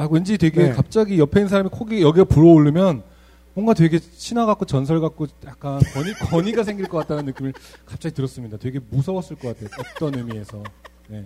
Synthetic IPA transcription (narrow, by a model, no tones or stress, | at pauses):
aɡoind͡ʑitwe̞ɡe̞kap̚t͡ɕ͈aɡijʌpʰeins̬ʰaɾamikʰoɡijʌɡiapuɾʌoɭːɯmjʌn | mʌŋɡatweɡe̞t͡ɕʰinwaɡak͈ot͡ɕʌnsʰʌɭɡak͈̚ojak̚k͈ankʌɲikʌɲiɡasʰe̞ŋɡiɭk͈ʌk͈at̚t͈anɯnːɯk͈imɯɭkap̚t͡ɕ͈aɡitɯɾʌs͈ɯmɲidatwe̞ɡe̞musʰʌwʌs͈ɯɭk͈ʌk͈atʰejoʌk̚t͈ʌnɯmie̞sʰʌ | ne̞